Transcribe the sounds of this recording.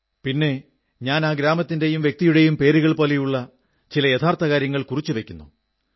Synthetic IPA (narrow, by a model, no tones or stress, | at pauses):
pinːe̞ | ɲaːnaːɡɾaːmɐt̪ːinde̞jumʋjek̚t̪ijuɽe̞jumpe̞ːɾuɣɐɭpo̞ːle̞juɭːɐ | t͡ɕilɐjet̪ʰaːrt̪ʰɐkaːɾjɐŋːɐɭkurit͡ɕːuʋe̞kʲːunːṵ